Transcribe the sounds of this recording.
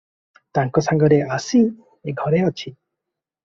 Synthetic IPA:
t̪aŋkɔsaŋɡɔɾeʔasi | eɡʱɔɾeɔt͡ʃʰi

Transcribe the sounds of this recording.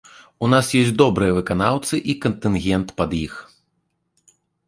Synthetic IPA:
unasjɔsʲd̪ɔbɾɨjɐvɨkanawt̪sɨʔikɐnt̪ɨnɣʲɛnt̪pɐd̪jix

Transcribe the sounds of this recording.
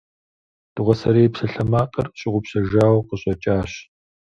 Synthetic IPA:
d̥ɨʁʷɔsɐɾeːpsɐɬɐmaːqʼɐrɕʼɪʁʷʊpɕɐʒaːwqəɕʼɔt͡ʃʼaːɕ

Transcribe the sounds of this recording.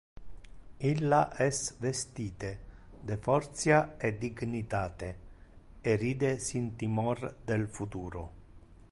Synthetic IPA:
ilːaʔɛsvest̪iːt̪e | d̪efɔrt̪sjaed̪iɡnit̪aːt̪e | eriːd̪esint̪imɔrd̪elfut̪uːɾo̰

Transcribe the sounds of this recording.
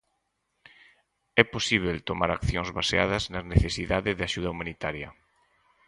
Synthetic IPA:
ɛposiβ̞elt̪omaɾakθjoŋzβaseaðɐznɐzneθesiðaðɪðeaʃuð̞ɐumanit̪aɾjɐ̰

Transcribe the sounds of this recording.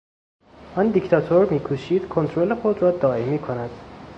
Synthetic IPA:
ʔɒːnd̪ikt̪ʰɒt̪ʰoɾmiːkʰuːʃiːd̪kʰont̪ʰɾolexod̪ɾɒːd̪ɒːʔemiːkʰonæd̪̥

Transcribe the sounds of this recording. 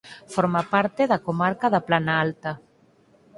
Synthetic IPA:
foɾmapaɾt̪eðakomaɾkaðaplanaalt̪a

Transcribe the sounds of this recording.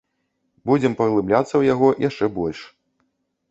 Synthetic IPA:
bud͡zʲɛmpɐɣlˠɨblʲat̪sːɐwjaɣɔjʔaʂt͡ʂɛbɔlʲʂ

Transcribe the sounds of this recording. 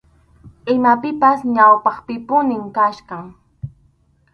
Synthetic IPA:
ɪmapɪpasɲawpɑχpɪpʊnɪmkaʃkɑŋ

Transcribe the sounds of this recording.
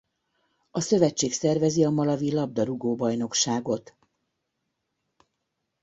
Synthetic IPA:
ɒsø̞vɛt͡ʃːeːksɛrvɛziɒmɒlɒvilɒb̚d̪ɒɾuɡoːbɒjno̞kʃaːɡo̞t̪

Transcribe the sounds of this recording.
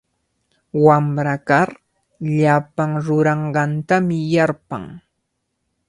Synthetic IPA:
wamɾakaɾ | ʎapaŋɾʊɾɑɴɢɑnt̪amɪjaɾpa̰ŋ

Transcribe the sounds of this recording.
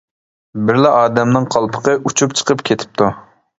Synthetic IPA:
bɪɾlɛʔɑːd̪ɛmnɨŋqʰɑlˠpʰə̥qəʔut͡ʃʰupt͡ʃʰə̥qʰəpkʲʰet̪ʰɪ̥p̚t̪ʰu

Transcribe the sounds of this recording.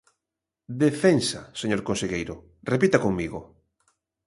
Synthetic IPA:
d̪efensa̰seɲoɾkonseɣejɾʊ | repit̪akoŋmiɣo

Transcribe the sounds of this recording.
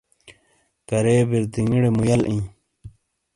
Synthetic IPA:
kɐɾeːbiɾd̪iŋiɽemujɐlʔĩː

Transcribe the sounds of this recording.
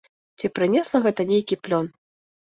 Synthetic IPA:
t͡sʲipɾɨnʲɛslˠɐɣɛt̪ɐnʲejkʲiplʲɔn

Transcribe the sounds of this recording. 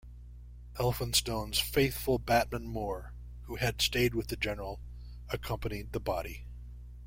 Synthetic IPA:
ɛlˠfə̃nstõʊ̃nz̥feɪθfl̩ˠbæt̚mə̃nmɔɹ | huɨd̥steɪd̚wɨðɨd͡ʒɛnə˞l̩ˠ | ɨkʰʌ̃mpɨnid̪̚ðəbɑɾi

